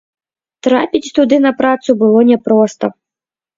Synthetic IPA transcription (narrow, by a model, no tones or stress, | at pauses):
t̪ɾapʲit͡sʲt̪ud̪ɨnɐpɾat̪subɨlˠɔnʲɛpɾɔst̪ɐ